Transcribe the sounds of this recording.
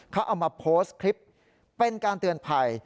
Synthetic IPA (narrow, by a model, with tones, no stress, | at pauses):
kʰa˦˥wʔa˧wmaː˧pʰoː˦˥skʰɾi˦˥p̚ | pe˧nkaː˧nt̪ɯ˧ənpʰa˧j